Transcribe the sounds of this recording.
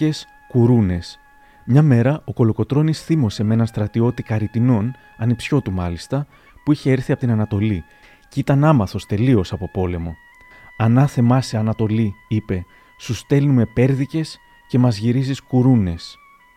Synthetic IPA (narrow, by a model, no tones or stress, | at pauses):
e̞s | kuɾune̞s | mɲɐme̞ɾɐo̞ko̞lo̞ko̞t̪ɾo̞nisθimo̞se̞me̞nɐnst̪ɾɐt̪io̞t̪ikɐɾit̪ino̞n | ɐnipsço̞t̪umɐlist̪ɐ | puiçe̞eɾθiɐpo̞t̪inɐnɐt̪o̞li | cit̪ɐnɐmɐθo̞st̪e̞lio̞sɐpo̞po̞le̞mo̞ | ɐnɐθe̞mɐseɐnɐt̪o̞liipe̞ | sust̪e̞lnume̞pe̞ɾðice̞s | ce̞mɐzʝiɾiziskuɾune̞s